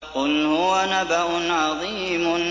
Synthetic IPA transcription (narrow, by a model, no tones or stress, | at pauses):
qʊlhʊwanabaʔʊnʕɑðˤiːmʊn